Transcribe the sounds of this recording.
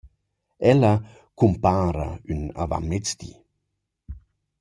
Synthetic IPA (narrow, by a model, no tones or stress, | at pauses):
ɛlɐ | kʰumpaːɾa̰ynava̰mɪt͡st̪ḭ